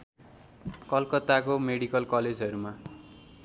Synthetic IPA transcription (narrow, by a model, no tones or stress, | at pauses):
kʌlkʌt̪akomeɽikʌlkʌled͡zʌɾuma